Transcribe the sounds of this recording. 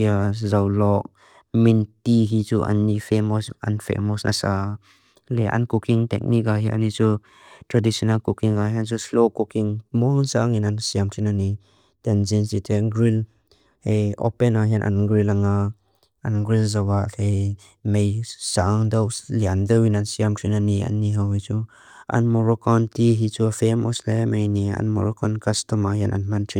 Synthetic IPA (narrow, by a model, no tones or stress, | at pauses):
iazawlɔʔ̚ | mintiɦit͡suʔa̰nːifemɔsɐ̰nfḛmɔsna̰sa | lɛʔa̰nkukiŋtɛ̰k̚nik̚aɦiʔa̰nit͡su | t̪ɾadisɔnalkukiŋɡaɦɛnt͡suslokukiŋmɔnsaŋinansiamtʰinani | tɛnzinsitʰeɡɾil | heɔ̰penaɦjanʔa̰nɡɾilaŋa | anɡɾilzawaʔke | mejsaʔŋdawliandəwinansiamtʰinania̰niɦawhit͡su | ʔa̰nmɔɾɔkɔntiɦit͡sufemɔslajamejnia̰nmɔɾɔkɔnkastɔmaɦjana̰nmantʰi